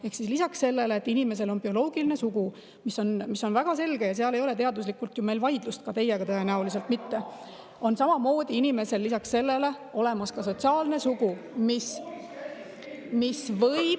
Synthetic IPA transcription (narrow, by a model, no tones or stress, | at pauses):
e̞hksislisɑksse̞lːe̞leːt̪ːˑinime̞s̬e̞lo̞nbio̞lo̞ːɡ̥iline̞suɡ̥u | misːo̞nmiso̞nvæɡ̥ɑse̞lɡ̥e̞jɑs̬eɑle̞jo̞le̞t̪e̞ɑd̪uslikːult̪jume̞jlvɑjd̪̥lust̪̚kɑt̪e̞jːeɡɑt̪ɤe̞næulis̬elt̪mit̪ːe̞ | o̞nsɑmɑmo̞ːd̪̥iinime̞se̞lːisɑksse̞lːe̞le̞ | o̞le̞mɑskɑso̞t̪siɑːlne̞suɡ̥u | mis | misvɤj